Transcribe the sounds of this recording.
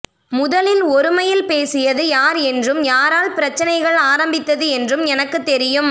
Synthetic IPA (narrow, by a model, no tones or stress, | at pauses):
mʊðɐlɪlɔɾɯmɐjɪlpeːsɪjɐðɯjaːɾɛndrɯmjaːɾaːlpɪɾɐt͡ʃːɐnɐɪɣɐɭaːɾɐmbɪt̪ːɐðɯɛndrɯmɛnɐkːɯt̪ːɛɾɪjɯm